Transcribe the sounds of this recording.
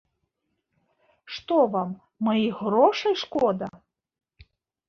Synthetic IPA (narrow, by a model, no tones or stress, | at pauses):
ʂt̪ɔvamː | ɐjiɣɾɔʂɐjʂkɔd̪ɐ